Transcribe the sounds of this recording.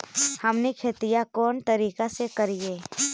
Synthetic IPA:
hɐmnekʰet̪ijakɔːnt̪ɐɾiːkasekəɾieː

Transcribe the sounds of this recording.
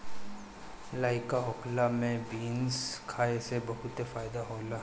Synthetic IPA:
laːɪkaɦʊklamẽbiːnskʰaːesebɐɦʊt̪efaːɪd̪aɦoːla

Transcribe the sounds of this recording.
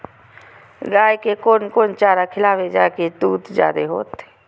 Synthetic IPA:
ɡaːjkekoːnkoːnt͡ʃaːɾakʰɪlaːʋed͡ʒaːket̪uːt̪d͡ʒja̰ːd̪eɦo̰ːt̪ː

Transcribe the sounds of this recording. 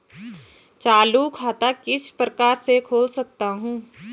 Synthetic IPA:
t͡ʃaːlukʰaːt̪akɪsʰpɾəkaːɾsekʰoːlsɐk̚t̪aɦũː

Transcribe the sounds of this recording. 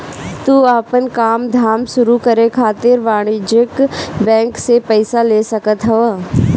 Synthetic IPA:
t̪uːaːpənkaːmd̪ʱaːmʃʊɾukɐɾekʰaːt̪ɪɾʋaːɽ̃ɪd͡ʒɪkbɛ̃ːŋksepɛɪsaleːsɐkət̪ɦɐʋə

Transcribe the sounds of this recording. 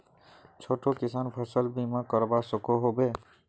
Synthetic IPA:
t͡ʃʰoʈokɪsaːnpʰəsəlbimãkəɾbasəkoɦobe

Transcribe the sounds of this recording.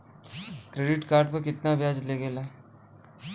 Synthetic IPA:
kɾeːɖɪʈkaːɾɖpɐkɪt̪nabʱjaːd͡ʒleɡela

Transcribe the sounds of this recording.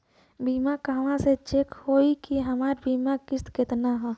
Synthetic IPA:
biːmakaːʋãset͡ʃekhoːikiɦəmaːɾbiːmakɪst̪kɪt̪naɦɛː

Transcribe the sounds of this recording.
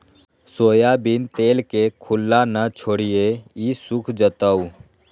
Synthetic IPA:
soːjabɪnt̪eːlkekʰʊlːanət͡ʃʰoːɽijeisʊkʰd͡ʒət̪əu

